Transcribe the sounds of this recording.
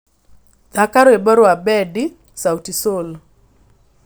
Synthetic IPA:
dakaɾebaɾwabɛdi | sawtisol

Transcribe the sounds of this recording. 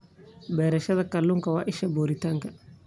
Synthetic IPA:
bɛːɾɛʃɐðɐkɐlːʊŋkɐwaʔɪʃɐboɾitɐŋkɐ

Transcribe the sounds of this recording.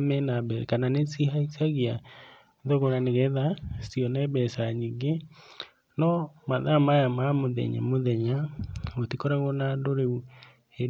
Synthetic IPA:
mɛnabɛkananesihaisaɣia | ðɔɣoɾaneɣɛðasiɔnɛbɛsaɲiŋɡe | nɔmaðamajamamoðɛ̰ɲɛ̰moðɛɲaotikoɾaɣonadoɾeu | e

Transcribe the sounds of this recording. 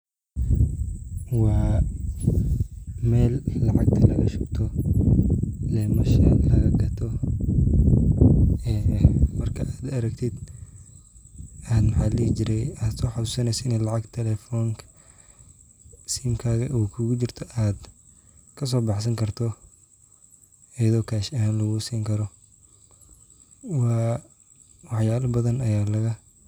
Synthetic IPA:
wɑː | mɛːlːɑʕɑɡ̚t̪ʰɐlɐ̰ɣɐʃʊbt̪ʰɔ | lɛːmɐʃɐ̰lɐɣɐɡɐt̪ʰɔ | ɛːmɐrkʰɐaːd̪ɐɾɐɡt̪ʰɪd̪ | aːd̪mɑħɑːliːt͡ʃɪɾɛjad̪sɔːħɑd̪usɐnɛjsɪnɛlɑʕɑɡt̪ʰɛlɛfɔːŋkʰɐ | siːmkʰaːɣɐʔuːkʰʊɣʊt͡ʃɪrt̪ʰɔʔaːd̪ | kʰɐs̬ɔːbɑħsɐŋkʰɐrt̪ʰɔ | ɐjɐðɔːkʰaːʃɐɦaːnlɐɣʊsiːŋkʰɐɾɔ | wɑː | wɑħjaːlɐbɐðɐnɐjaːlɐɣɐ

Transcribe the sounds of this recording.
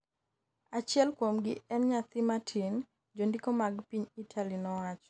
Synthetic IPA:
at͡ʃɪɛlkwomɡɪɛnɲat̪ɪmatʰin | d͡ʒondikomaɡpiɲitʰalinɔwat͡ʃ

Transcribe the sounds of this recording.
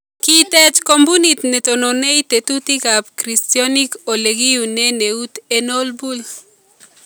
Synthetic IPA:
kitɛt͡ʃkombunit̪nɛtononeitetutikap̚kɾistjɔnikoleɡiuneneut̪enolbul

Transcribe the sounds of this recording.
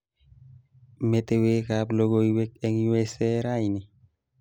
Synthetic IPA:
metewekaploɡoiwekɛŋjueseɾajni

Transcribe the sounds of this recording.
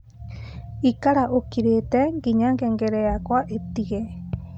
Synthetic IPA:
ikaɾaʔokiɾet̪ɛŋɡiɲãŋɡeŋɡeɾeakwaʔet̪iɣe

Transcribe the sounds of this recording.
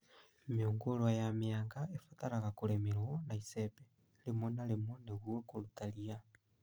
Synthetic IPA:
mioŋɡolwajamiaːŋɡaefataɾaɣakulemiɾonaisepe | lemonalemoneɣuekolutalia

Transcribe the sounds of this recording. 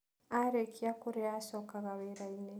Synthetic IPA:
aɾekiakuɾɛasɔkaɣaweɾaine

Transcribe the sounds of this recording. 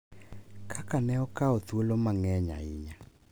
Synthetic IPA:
kʰakanɛɔkaotuolomaŋɛɲa̰iɲa

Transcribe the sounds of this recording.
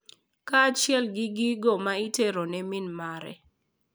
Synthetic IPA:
kat͡ʃɪɛlɡɪɡiɡomaiteɾonɛmɪnmaɾɛ̰

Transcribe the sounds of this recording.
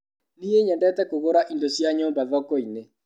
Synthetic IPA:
nieɲɛndɛtɛkoɣoɾaʔindosjaɲobaðɔkɔine

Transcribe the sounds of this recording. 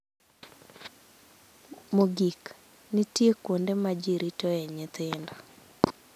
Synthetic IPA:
moɡik | nitjekwondemad͡ʒiɾitɔɛɲɪt̪ɪndɔ

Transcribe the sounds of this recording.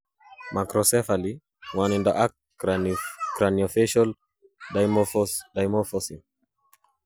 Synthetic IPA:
makɾɔsɛfali | ŋwanindaʔak | kɾaniɔfɛʃɔl | dajmɔfɔdajmɔfɔsim

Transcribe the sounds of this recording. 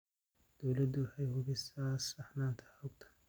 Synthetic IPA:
d̪̥ɔwlɐd̪ʊwɑħɑjhʊβɪsaːsɐħnaːnt̪ʰɐ̥ʊɡt̪ʰɐ̥

